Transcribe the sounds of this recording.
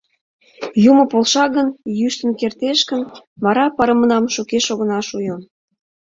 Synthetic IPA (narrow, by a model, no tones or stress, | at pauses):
jumə̆polʃɑɣənjyʃt̪ə̆nkert̪eʃkənmɑɾɑpɑɾə̆mə̆nɑmʃukeʃoɣə̆nɑʃujən